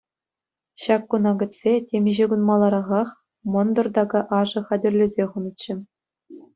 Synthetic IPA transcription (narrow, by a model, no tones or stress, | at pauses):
ɕɑkːunɑɡʲɘ̆tʲsʲetʲemʲɘ̆ʑeɡunmɑlˠːɑɾɑʁɑχ | mɤ̆nd̪ɤ̆rd̪ɑɡɑʔɑʐɤ̆χɑdʲɘ̆rʲlʲɘ̆zʲeχunɤ̆t͡ɕːɘ̆